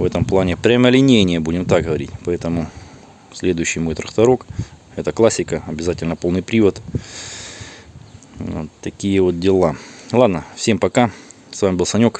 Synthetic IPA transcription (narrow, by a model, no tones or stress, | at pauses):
vɛt̪əmplˠanʲɪpɾʲəməlʲɪnʲejnʲɪjəbudʲɪmt̪aɡɦəʋɐɾʲitʲpɐɛt̪əmʊ | sʲlʲe̞d̪ʊjʉɕːɪjmo̞jt̪ɾəkt̪ɐɾo̞k | ɛt̪əklˠasʲːɪkəɐbʲɪzatʲɪlʲnəpo̞lˠnɨjpɾʲivət̪ | o̰t̪t̪ːɐkʲijəvo̞t̪̚dʲɪlˠalˠad̪nəfsʲe̞mpɐka | svamʲɪbɨlˠsɐnʲo̞k